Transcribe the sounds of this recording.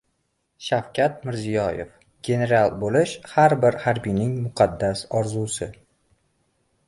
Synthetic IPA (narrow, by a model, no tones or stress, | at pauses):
ʃawkʲat̪̚mɪɾzijɒjḛf | ɡʲe̞ne̞ɾalˠbolɪʃhaɾbɪɾhaɾbijnɪŋmʊqʰɑd̪ːasɒɾzusɪ